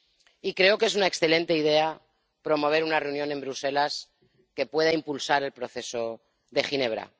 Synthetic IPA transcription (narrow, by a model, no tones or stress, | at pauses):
ikɾe̞o̞kee̞sunaeksθe̞lẽ̞nt̪e̞ið̞e̞a | pɾo̞mo̞β̞e̞ɾunare̞unjo̞ne̞mbɾuse̞las | ke̞pwe̞ð̞aimpulsaɾe̞lpɾo̞θe̞so̞ | ðe̞xine̞β̞ɾa̰